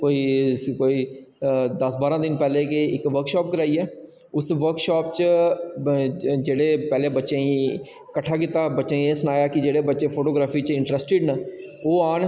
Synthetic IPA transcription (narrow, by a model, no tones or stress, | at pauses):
koːiːkoːiː | d̪əsbaːɾãːd̪ɪnpɛːleːkeɪkʋəɾkʃɔːp̚kəɾaːiːɛː | ʊsʋəɾkʃaːpt͡ʃ | d͡ʒeːɽeːpɛːleːbətːʃẽːĩ | kəʈʰːaːkɪt̪ːaːbətːʃeːĩeːsənaːjaːkɪd͡ʒeːɽeːbətːʃeːpʰoːʈoːɡɾaːpʰiːt͡ʃɪ̃ɳʈɾɛːsʈeːɖnəoːaːn